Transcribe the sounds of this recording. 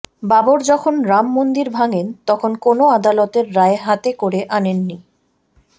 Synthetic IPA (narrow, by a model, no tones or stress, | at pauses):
baboɾd͡ʑɔkʰonɾamːond̪iɾbʱaŋent̪ɔkʰonkonoad̪alot̪eɾːaeɦat̪ekoɾeʔanenːi